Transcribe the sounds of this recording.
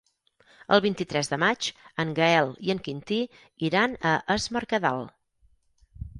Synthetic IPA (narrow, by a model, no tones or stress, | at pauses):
ə̰lˠβint̪it̪ɾɛzðəmat͡ʃəŋɡəɛlˠiəŋkint̪i | iɾanəʔəzməɾkəðalˠ